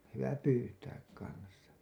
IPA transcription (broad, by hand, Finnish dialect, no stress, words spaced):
hyʋæ pyːtæːk kɑnsˑɑ